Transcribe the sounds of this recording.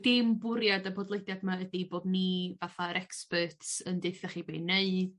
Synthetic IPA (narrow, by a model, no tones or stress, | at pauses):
d̥ɪmbʊɾjadabɔdlˠejdjadmaədiboːdnivaθaəɾʔɛkspətʰsəndeɨθaχibeːneɨd̥